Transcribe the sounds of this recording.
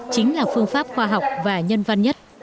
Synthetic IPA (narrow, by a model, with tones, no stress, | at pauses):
t͡ɕï˨˦ŋ̟laː˨˩fɨ˧əŋfaː˦˥p̚xwaː˧ɦa˨˩wk͡p̚vaː˨˩ɲə˧nva˧nɲə˦˥t̚